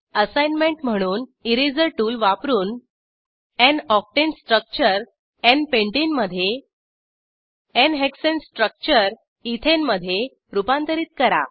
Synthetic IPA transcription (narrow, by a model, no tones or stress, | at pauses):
əsajnmẽɳʈm̤əɽ̃uːniɾid͡zəɾʈuːlʋapɾuːn | ɛ̃nɔf̚ʈensʈɾək̚t͡ɕəɾ | ɛnpẽɳʈinməd̪ʱːje | enɦeksensʈɾək̚t͡ɕəɾ | it̪ʰenməd̪ʱːje | ɾupãnt̪əɾiːt̪̚kəɾa̰